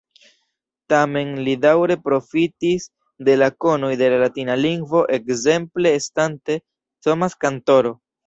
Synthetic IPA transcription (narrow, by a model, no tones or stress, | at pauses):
tame̞nlidawɾe̞pɾo̞fitis | de̞lako̞no̞jde̞lalatinaliŋɡvo̞ʔe̞kze̞mple̞ːstante̞ | somaskanto̞ɾo̞